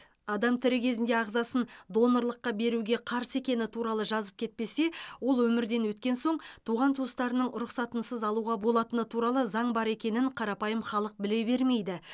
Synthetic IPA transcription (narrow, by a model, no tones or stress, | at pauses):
ɑd̪ɑmt̪ʰɪɾɪkʲʰe̞zɪnd̪e̞ɑʁzɑsənd̪o̞no̞ɾlˠəqːɑbe̞ɾuɡʲe̞qʰɑɾse̞kʲe̞nɪt̪ʰuɾɑlˠəʒɑzəp̚kʲʰe̞t̪̚pe̞se̞wo̞lˠwɵmɪɾd̪e̞nwɵt̪kʲe̞nso̞ɴt̪ʰuʁɑnt̪ʰuəst̪ɑɾənəɴɾʊqsɑt̪ənsəzɑlˠuʁɑbo̞lˠɑt̪ənət̪ʰuɾɑlˠəzɑɴbɑɾe̞kʲe̞nɪɴqʰɑɾɑpɑjəmχɑlˠəq̚bɪle̞be̞ɾme̞jd̪ɪ